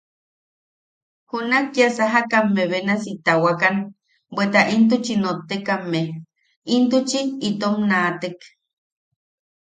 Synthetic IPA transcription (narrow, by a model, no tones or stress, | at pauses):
hunakjasaɦakamːeβenasit̪awakan | bʷwet̪aʔint̪̬ut͡ʃinot̪ːekamːe | int̪ut͡ʃiːt̪omnat̪ek